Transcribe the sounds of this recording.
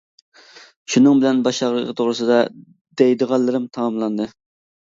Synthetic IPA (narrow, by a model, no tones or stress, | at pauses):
ʃunɨŋbɪlɛnbɑʃɑʁɾəɨt̪ʰoʁɾɨsɨd̪ɑ | d̪ɛjd̪əʁɑlˠːɨɾɨmt̪ʰɑmɑmlˠɑnd̪ɨ